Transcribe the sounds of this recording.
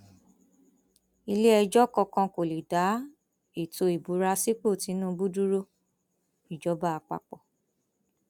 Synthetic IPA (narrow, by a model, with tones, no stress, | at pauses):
i˧le˦ɛ˧d͡ʒɔ˦kɔ˧kã˧ko˨li˨da˨˦ | i˨to˧i˨bu˨˦ɾa˧si˦k͡po˦˨ti˨˦nũː˦˧bu˦du˦ɾo˦ | i˨d͡ʒɔ˨˦ba˦a˧k͡pa̰˧k͡pɔ˨